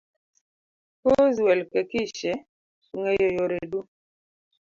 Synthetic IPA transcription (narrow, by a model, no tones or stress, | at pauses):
kozwɛlkɛkiʃɛ | suŋejojoɾedu